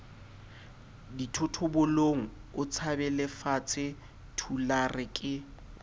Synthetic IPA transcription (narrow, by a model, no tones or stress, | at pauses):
ditʰʊtʰʊbʊloŋ̩ʊt͡sʰabɛlɪfat͡sʰɪ | tʰularɪkʼɪ